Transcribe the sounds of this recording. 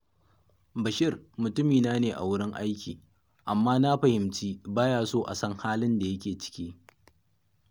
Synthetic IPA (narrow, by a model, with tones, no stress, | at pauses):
bɐ˨ʃɪ˦rmʊ˨tʊ˦miː˨naː˦neː˨ʔa̰˨wʊ˦ɽɪ˦ŋʔa˦jkʲiː˨ | ʔa˨mːaː˦na˦ɸɐ˨hɪ˨mt͡ʃiː˦baː˦jaː˦soː˦ʔa̰˨sɐ˦ŋhaː˦lɪ˦nda˨jɐ˦kʲeː˨t͡ʃɪ̥˦kʲiː˦